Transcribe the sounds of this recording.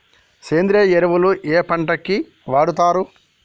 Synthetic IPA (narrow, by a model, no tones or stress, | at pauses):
seːnd̪ɾeːjeɾɐʋuluʔeːpɐɳʈɐkːi | ʋaːɽut̪aːɾu